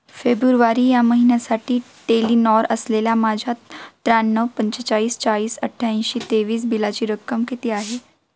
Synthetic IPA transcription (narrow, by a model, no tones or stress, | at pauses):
feːbɾuɾʋaɾijaməɦinasaʈʰi | ʈelinɔːɾəslelamaːd͡ʑʱat̪ɾanːəʋpə̃ɲt͡ʃət͡ʃaliːst͡ʃaːliːsəʈʰːaə̃ʃit̪eːʋiːs̬bilat͡ɕiɾəkːəmkit̪iaːɦe